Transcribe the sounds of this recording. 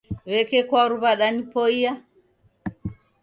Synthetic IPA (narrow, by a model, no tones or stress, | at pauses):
wɛkɛkwaɾuβaɗanipoija